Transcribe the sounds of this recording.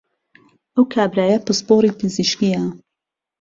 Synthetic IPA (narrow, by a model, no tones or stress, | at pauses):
ʔəwkʰaːbɾaːjɐpɨspoːɾiːpɨziʃkijɐ